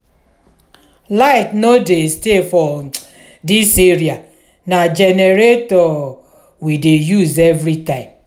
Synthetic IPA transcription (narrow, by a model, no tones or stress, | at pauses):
laɪtnodestefɔ | diseɾia | nad͡ʒeneɾetɔ | widejuzevɾitãɪ̃m